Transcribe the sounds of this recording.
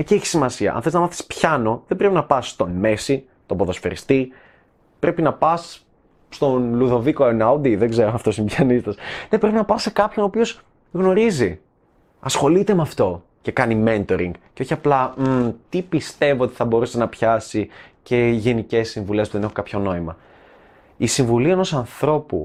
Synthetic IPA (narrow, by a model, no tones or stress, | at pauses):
ecieçi̥simɐsiɐ̰ʔɐ̰nθeliznɐmɐθi̥spçɐno̞ðebɾe̞pinɐpɐst̪o̞nmesi | t̪oboðo̞sfeɾḭst̪i | pɾʔe̞pinɐpɐs | st̪o̞nluðo̞vikoenad̪iðeɡzeɾoɐft̪o̞simbçɐnist̪ɐsne̞pɾe̞pinɐpɐsse̞kɐpço̞noːpio̞s | ɣno̞ɾizi | ɐsxo̞lit̪e̞meɐft̪o̞ | ce̞kɐniment̪o̞ɾiŋɡceo̞çiɐplɐt̪ipist̪e̞voo̞t̪i̥θɐbo̞ɾusenɐpçɐsice̞ʝe̞nice̞sːiɱvule̞spuðee̞xokɐpço̞no̞imɐ | isiɱvuliɐeno̞sɐnθɾo̞pṵ